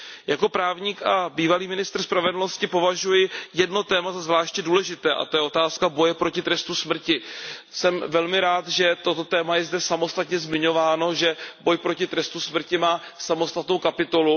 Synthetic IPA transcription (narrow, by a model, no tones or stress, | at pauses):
jako̞pɾaːvɲiːkʔabiːvaliːmɪnɪst̪r̩spɾavɛdl̩no̞scɪpo̞vaʒujɪjɛdno̞t̪ɛːmazazvlaːʃcɲɛduːlɛʒɪt̪ɛːʔa̰t̪o̞jɛʔo̞t̪aːskabo̞jɛpɾo̞cɪt̪ɾɛst̪usmr̩cɪsɛmvɛlmɪɾaːt̪ʒɛt̪o̞t̪o̞t̪ɛːmajɛzdɛsamo̞st̪at̪ɲɛzmɪɲo̞vaːno̞ʒɛbo̞jpɾo̞cɪt̪ɾɛst̪usmr̩cɪmaːsamo̞st̪at̪nowkapɪt̪o̞lu